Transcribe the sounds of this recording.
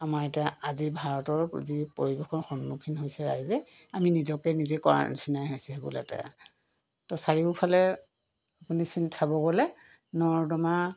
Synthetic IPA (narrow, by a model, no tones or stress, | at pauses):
amaɹetiaazibʱaɹɔtɔɹzipoɹibekɔɹxɔnːukʰinɦojsɛɹaɦizɛ | aminizɔkɛnizɛkɔɹa̰sinajɦasiɦɛbṵla̰ta̰ | tɔsaɹipʰalɛ | apunisintʰabɔɡɔlɛ | nɔɹdɔma